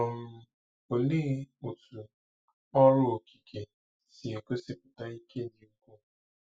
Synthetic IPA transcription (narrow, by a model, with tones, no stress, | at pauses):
ʊ˨m̩˦ | o˨le˦u˨tu˨ | ɔ˦ɾʊ˦o˨ki̥˨ke˨ | si˨e˨ko˦sɪ˦pʊ˨ta˦i˦ke˦ni˨u˦kʷo˦